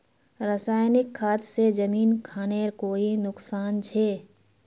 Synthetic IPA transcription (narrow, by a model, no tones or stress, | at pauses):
ɾəsaːjnɪkʰːaːt̪sed͡ʒəmiːnkʰaːneɾkoːinʊksaːnt͡ʃʰe